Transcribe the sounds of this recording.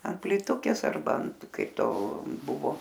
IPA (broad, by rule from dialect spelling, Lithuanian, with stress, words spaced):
ɐnt pʲlʲiːˈtʊkʲeːs ɐrˈbɐ ɐnt ˈkɐɪp ˈtoː ˈbʊʋoː